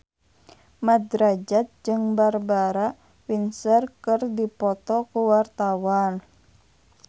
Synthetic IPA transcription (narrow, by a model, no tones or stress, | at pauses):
mad̪ɾad͡ʒat̪̚d͡ʒɨŋbarbaɾa | winsərkərdipɔt̪ɔkuwart̪awan